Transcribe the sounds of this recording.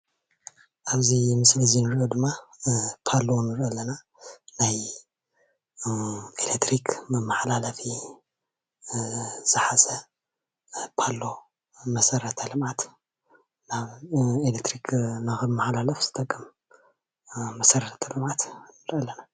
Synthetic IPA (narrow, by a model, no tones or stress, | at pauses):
ʔaβzimɨslɨzinɨɾʔod̪ɨmːapʰalːo̞nɨɾʔɐlɐna | naj | elekt̪ɾikʰmɐmːaħlalɐfi | z̥ɨħazɐ | pʰalːo̞ | mɐsɐɾɐt̪ʰɐlɨmʕat̪ | naβelek̚t̪ʰɾikʰnaxɨmːaħalalɐfz̥ɨt̪ʼɐkʼːɐm | mɐsɐɾɐt̪ʰɐlɨmʕat̪nɨɾʔɐlɐna